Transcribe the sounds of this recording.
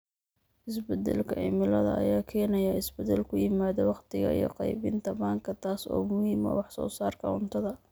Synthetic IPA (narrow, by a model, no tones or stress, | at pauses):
ʔɪsbɛd̪ɛ̰lkʰɐʔɪmɪlɐðɐ̰ʔɐ̰jaːkʰɛːnɐjaɪsbɛd̪ɛlkʰʊjɪmaːðɔwɑqt̪ʰɪɣɐ̰ijɔ̰qɑjbɪnt̪ʰɐbaːŋkʰɐt̪ʰaːsɔ̰ːmʊhiːmɔ̰wɑħsɔ̰ːsaːrkʰɐʊnt̪ʰɐðɐ